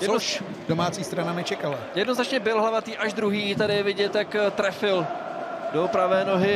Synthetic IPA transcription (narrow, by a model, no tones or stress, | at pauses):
jɛdo | domaːt͡siːst̪ɾanamɪt͡ʃɛkalajɛdnoznat͡ʃɲɛbɪlɦlavat̪iːʔaʒdɾuɦiːt̪adɪjɛvɪɟɛt̪jakt̪ɾɛfɪl | dopɾavɛːnoɦɪ